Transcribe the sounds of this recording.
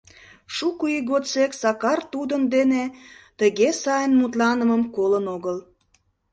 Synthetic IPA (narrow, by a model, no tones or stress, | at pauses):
ʃukuiɣot͡seksɑkɑrt̪ud̪ənd̪enet̪əɣesɑjənmut̪̬lɑnəməmkolənoɣəl